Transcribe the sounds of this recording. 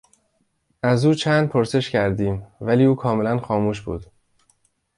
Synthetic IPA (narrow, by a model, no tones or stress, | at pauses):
ʔæzuːt͡ʃʰænd̪̥̚pʰoɾse̞ʃcʰæɾd̪iːmvæliːuːkʰɒːme̞lænxɒːmuːʃbṵːd̪̥